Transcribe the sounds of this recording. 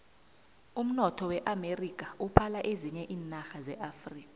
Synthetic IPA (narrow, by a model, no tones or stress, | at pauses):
um̩nɔtʰɔwɛʔamerik̬ʼaupʰalaʔeziɲɛʔiːnaxazɛʔafriːkʼa